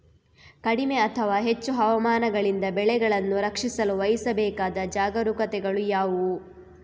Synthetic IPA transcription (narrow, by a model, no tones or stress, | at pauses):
kɐɽimeɐt̪ʰɐʋaːɦe̞t͡ʃːuɦɐʋɐmaːnɐɡɐɭind̪ɐbɛɭɛɡɐɭɐnːuɾɐkʂisɐluʋɐjisɐbɛːkaːd̪ɐd͡ʒaːɡɐɾukɐt̪ɛɡɐɭujaːʋu